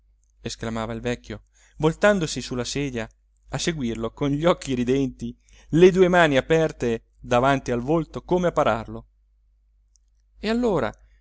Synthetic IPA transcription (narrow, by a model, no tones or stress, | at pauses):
esklamaːvailvɛkʲːjo | volt̪and̪osisulːaseːd̪jaː | seɡwirlokonʎɔkːiɾid̪ɛnt̪i | led̪uːemaːniapɛrt̪e | d̪avant̪ialvolt̪okomeapːaɾarlo | ealːoːɾa̰